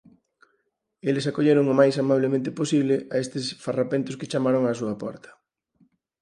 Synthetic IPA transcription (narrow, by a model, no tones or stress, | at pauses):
elɪsakoʎeɾoŋʊmajsamaβ̞lemẽnt̪ɪposiβlɪʔaest̪ɪsfarapent̪ʊskɪt͡ʃamaɾoŋasuɐpɔ̰ɾt̪ʰɐ̥